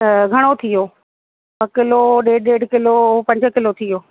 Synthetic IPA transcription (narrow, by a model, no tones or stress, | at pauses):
ɡʱɐɽ̃ot̪ʰijoː | ɐkɪloɗeːɖɗeːɖkɪlopɐ̃ɲd͡ʒ̆kɪlot̪ʰijoː